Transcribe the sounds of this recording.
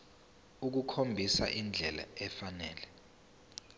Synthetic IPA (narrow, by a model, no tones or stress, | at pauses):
uk̬ukʰombʱisa̰ʔind͡ɮʱɛla̰ɛfanɛːlɛ